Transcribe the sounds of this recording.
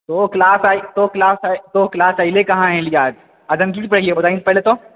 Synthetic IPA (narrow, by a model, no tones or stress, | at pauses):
t̪oklaːsaːit̪oklaːst̪oklaːsaɪlekɐɦãɦɛ̃liaːd͡ʒ | ad͡ʒɐmk̬ispɐɽeɡiebɐt̪aːĩnsepɛɦlet̪o